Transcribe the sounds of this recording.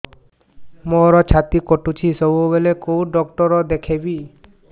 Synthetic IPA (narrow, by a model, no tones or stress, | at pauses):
moɾɔt͡ʃʰat̪ikoʈut͡ʃʰisɔbubelekowɖɔkʈɔɾɔd̪ekʰebi